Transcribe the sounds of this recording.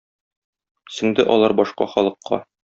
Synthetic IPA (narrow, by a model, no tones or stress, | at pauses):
sɘ̆ŋd̪ɘʔɒlˠɑɾbɒʃqɑ̰χɒlˠɤ̆qʰːɑ̰